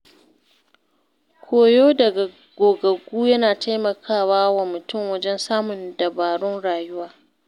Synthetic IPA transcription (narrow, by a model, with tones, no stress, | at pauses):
kʷʰoː˨joː˦dɐ˨ɡa˨ | ɡ̥ʷoː˨ɡɐ˨ɡʷuː˦jɐ˦naː˨tʰa˦jmɐ˨kʰaː˦˨waː˦wa˨mʊ˨tʊ˦˨mwɐ˦d͡ʒɛ˦nsaː˦mʊ˨ndɐ˨baː˨ɽʊ˦nɽaː˨jʊ˦waː˨